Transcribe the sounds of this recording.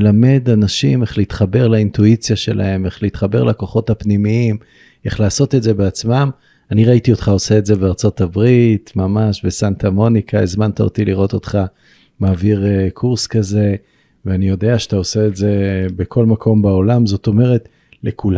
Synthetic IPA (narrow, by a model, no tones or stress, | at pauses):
lame̞danaʃime̞χleit̪χabe̞ʁlaintuit͡sjaʃe̞la̰he̞me̞χleit̪χabe̞ʁlako̞χo̞thapnimiim | e̞χlaːso̞t̪edze̞beat͡smam | aniʁaitio̞tχao̞se̞ːtze̞beaʁt͡so̞tabʁitmamaʃbesantamo̞nikʰaezmant̪ao̰tiliʁo̞t̪o̞t̪χa | maːviʁekʰuʁskaze̞ | veanijo̞de̞aʃeat̪aose̞ːtze̞bekʰo̞lmakʰo̞mbao̞lamzo̞t̪o̞me̞ʁe̞t | lekul